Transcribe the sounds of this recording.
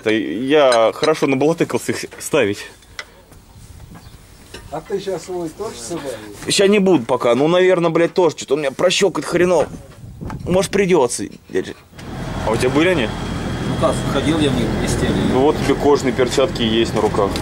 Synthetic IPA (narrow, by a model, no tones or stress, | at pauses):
t̪əjaxəɾɐʂo̞nəbəlˠɐt̪ɨkəlˠsʲəixst̪avʲɪtʲ | kak̚t̪ɨɕasvojt̪oʐsɐbaɕasnʲɪbud̪ʊpɐkanunɐvʲe̞rnəblʲæt̚ʲt̪o̞ʐət͡ɕot̪onmɪnʲɲʲapɾɐɕːokət̪xəɾʲɪno | moʐət̪̚pɾʲɪdʲo̞t̪sə̰dʲa̰ʐɨ | ɐʊtʲabɨlʲɪɐnʲinuk̪asxɐdʲilˠjamʲiɪsʲtʲelʲnʊvot̪̚tʲːɪbʲeko̞ʐnɨjpʲɪrt͡ɕat̪kʲɪjesʲtʲnəɾʊkax